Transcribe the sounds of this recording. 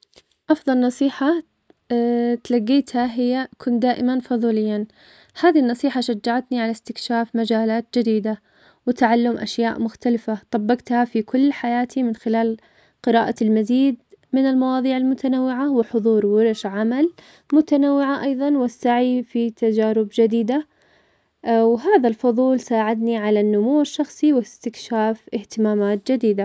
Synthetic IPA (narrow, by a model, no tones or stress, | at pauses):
ʔɑfðˤɑlnɑsˤiːħa | t̪laɡːiːt̪haɦɪjːakʰʊnd̪aːʔɪmanfɑðˤuːlɪjːan | haːðinːɑsˤiːħaʃad͡ʒːaʕat̪niʕalast̪ɪkʃaːfmad͡ʒaːlaːt̪̚d͡ʒɪd̪iːd̪a | wɪt̪aʕalːʊmʔa̰ʃjaːʔmʊxt̪alɪfat̪ˤɑbːɑqt̪hafikʊlːħajaːt̪ʰimɪnxɪlaːl | qɨɾaːʔalmaziːd̪mɪnɪlmɑwɑːðˤiːʕɪlmʊt̪ʰanawːɪʕawɪħʊðˤuːɾwɪɾʃʕamal | mʊt̪anawːɪʕaʔɑjðˤɑnwɪsːaʕifit̪ad͡ʒaːɾɪbd͡ʒɪd̪iːd̪a | wɦaːðalfʊðˤuːlsaːʕɪd̪niʕalanːʊmuːɪʃːɑxsˤiwɪst̪ɪkʃaːfʔɪht̪ɪmaːmaːt̪̚d͡ʒɪd̪iːd̪a